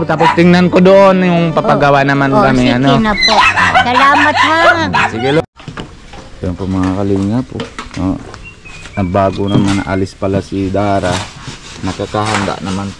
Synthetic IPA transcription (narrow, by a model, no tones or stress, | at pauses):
t̪apʊst̪ɪŋnankod̪oʔonjʊŋpapaɡawanamankamianonaosalaːmat̪̚hasiɡilo | jaŋpomaŋakaliŋapono | nabaɡunamanaʔa̰lɪspalasid̪aɾa | nat̪ok̪aɦand̪a̰ʔnaman